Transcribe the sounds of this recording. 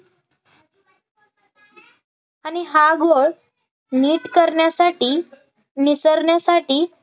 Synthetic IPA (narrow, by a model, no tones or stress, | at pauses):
añiɦaɡoɭ | niːʈkəɾɳjasaʈiː | nisəɾɳjasaʈiː